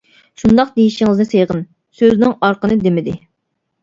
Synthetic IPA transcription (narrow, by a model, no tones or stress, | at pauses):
ʃund̪ɑq̚d̪ejiʃiŋɨznɨsejʁən | søznɪŋɑɾqənɨd̪emɪd̪ɪ